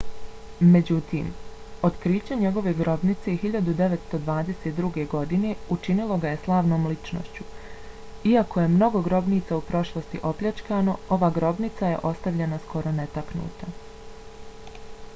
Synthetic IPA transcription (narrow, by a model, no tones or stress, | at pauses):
me̞d͡ʑut̪ḭːm | o̞t̪kɾiːt͡ɕeɲe̞ɡo̞ʋe̞ɡɾo̞bnit̪se̞hiʎad̪ud̪e̞ʋet̪st̪o̞d̪ʋaːd̪e̞set̪̚d̪ɾuɡe̞ɡo̞d̪ine̞ut͡ʃinilˠo̞ɡaje̞slˠaːʋno̞ːmlit͡ʃno̰ʃt͡ɕu | iako̞je̞mno̞ɡo̞ɡɾo̞bniːt̪saupɾo̞ʃlˠost̪iʔo̞pʎʲat͡ʃkaːno̞o̞ʋaːɡɾo̞bnit̪saje̞̰ʔo̞st̪aʋʎenaskʰo̞ɾo̞ne̞t̪aknṵːt̪a